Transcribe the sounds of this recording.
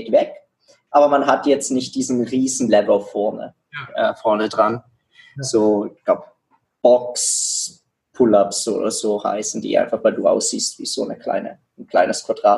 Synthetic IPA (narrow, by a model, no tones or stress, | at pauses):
tvɛk | ʔaːbɐmanɦatjɛt͡stnɪçt̚d̥iːzn̩ʁiːzn̩lɛvlfɔɐnə̰ | fɔɐnədʁan | z̥oːɪɡ̥laʊb | b̥ɔks | pʰʊlapso̰ːdɐz̥oːha̰ɪsn̩dḭːʔa̰ɪnfaχvaɪlduːʔa̰ʊsz̥iːstv̥ḭːz̥oːnəkʰl̥a̰ɪnə̰ | n̩kl̥a̰ɪnəskʰv̥aɐd̥ʁaːt